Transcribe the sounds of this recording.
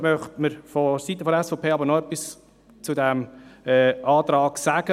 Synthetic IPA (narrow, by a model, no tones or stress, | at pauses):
mœχtməɾfɔsitːəfɔdəɛsfɔpʰeːɑbəɾnɔœpːis | t͡sudæmɛːɑːtɾɑːɡ̥sæɡ̥ə